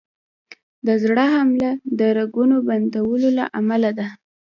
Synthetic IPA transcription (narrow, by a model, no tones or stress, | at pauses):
d̪əzɽəɦamlad̪əɾaɡunoband̪awəlola̰ʔamalad̪a